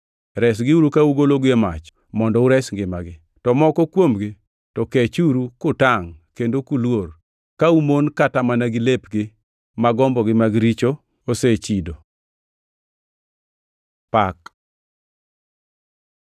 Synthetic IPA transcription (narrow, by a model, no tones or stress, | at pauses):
ɾɛsɡɪuɾukauɡoloɡema̰t͡ʃ | mɔndɔuɾɛsŋɡɪmaɡɪ | tɔmɔkɔkwomɡɪ | tɔket͡ʃuɾukʊtaŋkendokulwor | kaumonkatamanaɡɪlepɡɪ | maɡɔmbɔɡɪmaɡɾit͡ʃo | oset͡ʃido | pak